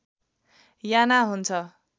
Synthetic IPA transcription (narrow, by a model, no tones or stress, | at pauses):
janaɦunt͡sʰʌ